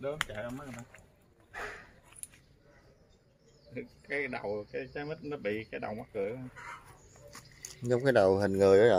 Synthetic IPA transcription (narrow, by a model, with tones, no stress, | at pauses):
ɗə˨˦˧mt͡ɕa˧˨jʔə˧wma˦˥˩na˨˦˨ | kaː˨˦jɗa˨˩wkaː˨˦jzaː˨˦mə˦˥t̚nɔ˨˦ɓḭ˧˨kaː˨˦jɗə̰˨˩wmaː˨˦t̚kɨ˨˧˨ə˦˧m | zɔ˨˦wŋ͡mkaː˨˦jɗa˨˩wɦï˨˩ŋ̟ŋɨ˨˩jʔə˨˦ɔ˨